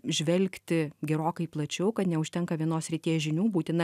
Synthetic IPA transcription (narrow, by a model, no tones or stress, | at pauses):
ʒʲʋʲɛlʲkt̪ʲɪɡʲɛɾoːkɐɪplˠɐt͡ʃʲɛʊkɐt̪nʲɛʊʃʲt̪ʲɛŋkɐʋʲiɛnoːsʲɾʲit̪ʲiːʒʲɪnʲuːbuːt̪ʲɪnɐ